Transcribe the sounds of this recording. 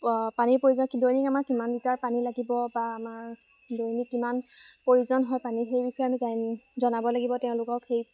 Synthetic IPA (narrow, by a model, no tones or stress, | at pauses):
panipoɹizɔdojnikamaɹkimanditaɹpanilaɡibɔbaːmaɹ | dojnikːimanpoɹizɔnɦɔjpanixejbixɔjamizajzɔnabɔlaɡibɔtɛʊ̃lʊkɔkxej